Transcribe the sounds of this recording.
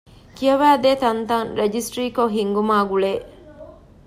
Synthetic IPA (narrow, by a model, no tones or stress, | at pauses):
kijɐʋæːd̪eːt̪ɐnt̪ɐŋɾed͡ʒisʈɾiːkoɦiŋɡumaːɡuɭeː